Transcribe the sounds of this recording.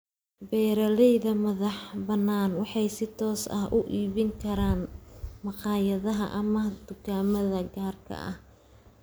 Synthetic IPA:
bɛːɾɐlɛjðɐmɐðɑħbɐnːaːnwɑħɑjsɪt̪ʰɔːsɐ̰ɦʔʊʔiːβɪŋkʰɐɾaːnmɑqɑːjɐðɐɦɐ̰ʔɐmɐd̪̥ʊɡʰaːmɐðɐɡaːrkʰɐ̰ʔɐ̰h

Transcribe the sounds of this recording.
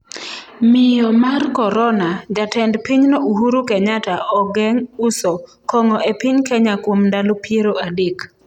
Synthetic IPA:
mɪjɔmarkɔɾɔnad͡ʒatɛndpiɲnɔuɦuɾukɛɲataʔɔɡɛŋusɔ | kɔŋɔʔepɪɲkɛɲakwomndalopjeɾoadek

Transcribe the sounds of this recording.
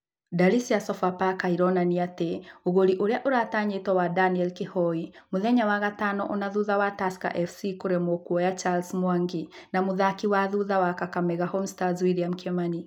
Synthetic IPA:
dalisiasɔfapakaiɾɔnaniateoɣoɾiʔoɾeaʔoɾaːtaɲetwawadaniɛlkehɔimoðɛɲawaɣatanɔ̰ʔonaðuðawataska̰ʔɛfsikoɾemokwɔjat͡ʃalsmwaŋɡi | namoðakiwaðuðawakakamɛɣahɔmstazwiɾijam̩ukɛmani

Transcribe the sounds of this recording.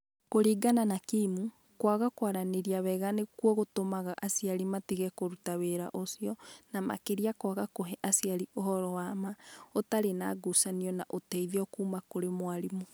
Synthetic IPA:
koɾiːɡananakiːmu | kwaɣakwaɾaneɾiaβɛɣanekwɔɣotomaɣaʔasiaɾimatiɣɛkoɾutaβeɾa̰ʔosiɔnama̰keɾiakwaɣakoɦɛʔasiaɾiʔoɦɔɾɔwamaotaɾena̰ɡusaniɔnaʔotɛiðjɔkuːmakoɾemwaɾimo

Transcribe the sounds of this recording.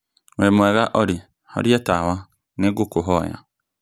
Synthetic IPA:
wemoeɣaʔɔɾi | hɔ̰ɾietawa | neɡʊkʊɦɔja̰

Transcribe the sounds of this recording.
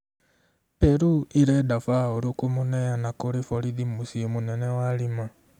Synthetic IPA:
peɾuiɾɛdafaoɾukumunɛjanakoɾifoɾidimusiomunenewalima

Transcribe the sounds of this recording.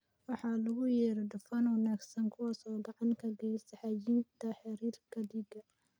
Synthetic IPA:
wɑħɑːlɐɣʊjɛːɾɛɖʊfɐnwɑnaːɡsɐŋkʰʊwɑsɔːdɑʕɑnkʰɐɡɛjsɐħɑjint̪ʰɐħɑɾiːrkʰɐd̪iɡɐ

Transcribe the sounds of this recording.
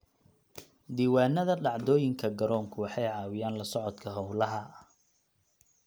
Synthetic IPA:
d̪iːwaːnːɐðɐɖɑʕd̪ɔːjɪŋkʰɐɡɐɾɔːŋkʰʊwɑħɑjʕɑːwɪjaːnlɐsɔʕɔd̪kʰɐɦɔwlɐɦɐ

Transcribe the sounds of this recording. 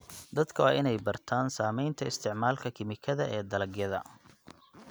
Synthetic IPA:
d̪ɐd̪kʰɐwaːʔɪnɛjbɐrt̪ʰaːnsaːmɛjnt̪ʰɐɪst̪ʰɪʕmaːlkʰɐkʰɪmɪkʰɐðɐʔɛːd̪ɐlɐɡjɐðɐ̰

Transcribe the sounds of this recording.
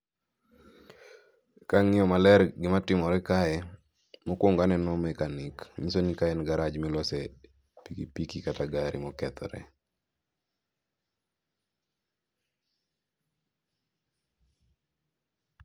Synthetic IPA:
kaŋɪɔmalɛɾɡɪmatɪmɔɾɛkaɛ | mokwoŋɡanɛnɔmɛkanɪkɲisonikaɛnɡaɾad͡ʒmilɔsed | pikipikikataɡaɾḭmɔkɛt̪ɔ̰ɾɛ̰

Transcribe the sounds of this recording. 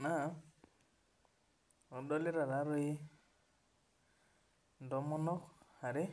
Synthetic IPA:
na | ɔdɔliɾaɾaɾoj | dɔmɔnɔkaɾe

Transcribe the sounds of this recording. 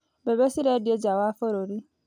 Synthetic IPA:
bɛbesiɾɛdɪed͡ʒawafɔɾoɾi

